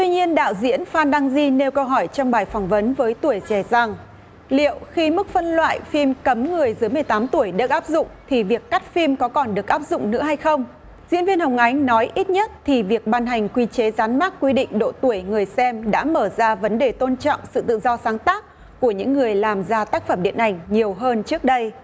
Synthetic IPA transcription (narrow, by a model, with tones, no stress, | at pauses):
t̪wi˧ɲi˧ənɗa̰ː˧˨wzḭ˧˥ənfaː˧nɗa˧ŋzi˧ne˧wkə˧ɦɔ˧˩jt͡ɕɔ˧wŋ͡mɓaː˨˩jfɔ˧˩wŋ͡mvə˨˦nvəː˨˦jt̪u˧˩əjt͡ɕɛ˧˩za˨˩ŋ | lḭ˧˨əwxi˧mɨ˦˥k̚fə˧nlwa̰ː˧˨jfi˧mkə˨˦mŋɨ˨˩əjzɨ˨˦jm˨˩əjt̪aː˨˦mt̪u˧˩əjɗə˧˥k̚ʔaː˦˥p̚zʊ̰˧˨ŋ͡mt̪ʰi˨˩vi˨˩əkːa˦˥k̚fi˧mkɔ˨˦kɔ˨˩nɗɨ˨˩ək̚ʔaː˦˥p̚zʊ̰˧˨ŋ͡mnɨ̰˧˥əɦa˧jxə˧wŋ͡m | zḭ˧˥ənvi˧ənhə˨˩wŋ͡mʔa˨˦jŋ̟nɔ˨˦jʔi˦˥t̚ɲə˦˥t̚t̪ʰi˨˩vi˨˩ək̚ɓaː˧nɦa˨˩jŋ̟kwi˧t͡ɕe˨˦zaː˨˦nma˦˥k̚kːwi˧ɗḭ˧˨ŋ̟ɗo̰˧˨t̪u˧˩əjŋɨ˨˩əjsɛ˧mɗa̰ː˧˥məː˧˩zaː˧və˨˦nɗe˨˩t̪o˧nt͡ɕɔ̰˧˨wŋ͡msɨ̰˧˨t̪ɨ̰˧˨zɔ˧saː˨˦ŋt̪aː˦˥k̚ | ku˧˩əɲɨ̰˧˥ŋːɨ˨˩əjlaː˨˩mzaː˧t̪aː˦˥k̚fə˧˩mɗḭ˧˨ənʔa˨˩jŋ̟ɲi˨˩əwɦəː˧nt͡ɕɨ˦˥ək̚ɗə˧j